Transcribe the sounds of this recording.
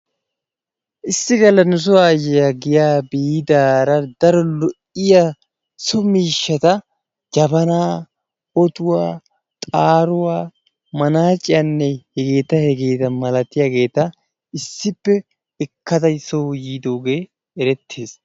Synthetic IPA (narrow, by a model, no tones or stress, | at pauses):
ʔɪsːɪɡɐlːɐnʊs̬ʊaːjɛjɐɡɪjaːbiːd̪aːɾɐd̪ɐɾɔlɔʔɪja | sɔmiːʃːɐt̪ɐ | d͡ʒɐbɐnaː | ɔt̪ʊwaː | t̪ʼaːɾʊwaː | mɐnaːt͡ʃʼɪjɐnːɛhɛɡe̞ːt̪ɐhɛɡe̞ːt̪ɐmɐlɐt̪ːɪjaɡe̞ːt̪ɐ | ɪsːɪpːɛ | ɪkːɐt̪ɐsɔwjiːd̪oːɡe̞ː | ɛɾɛt̪ʰːeːs